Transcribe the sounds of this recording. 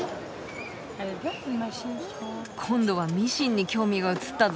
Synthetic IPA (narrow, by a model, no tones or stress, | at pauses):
kʰõ̞nd̪o̞βamʲiɕĩɲ̟ːikʲo̞ːmʲiɡaɯ̟t͡sɨ̥t̪ːa